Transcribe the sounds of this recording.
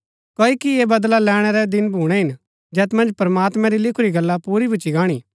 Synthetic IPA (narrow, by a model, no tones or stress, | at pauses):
koːikieːbɐd̪lalɛːɽ̃ɛɾɛd̪ɪnbʱuːɽ̃ɛɦɪn | d͡ʒɛːt̪mɐ̃nd͡ʒpɾɐmaːt̪mɛ̃ɾilɪkʰʊɾiɡɐlːapuːɾibɪt͡ʃiɡaːɽ̃iː